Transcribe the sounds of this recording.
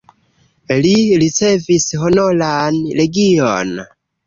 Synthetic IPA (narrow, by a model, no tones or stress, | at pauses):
liɾit͡se̞visɦonolanleɡijo̰n